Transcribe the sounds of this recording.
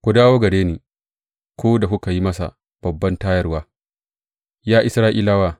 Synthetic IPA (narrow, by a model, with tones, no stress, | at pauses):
kʷu˨daː˦woː˦ɡɐ˨deː˦niː˨ | kʷoː˦da˨kʷu˦ka˨ji˦mɐ˦sa̰˨ | b̥ɐ˨bːɐ˦ntaː˦jɐ˦rwaː˦ | jaː˦ʔɪ˦sɾaː˦ʔiː˦la˦waː˦˨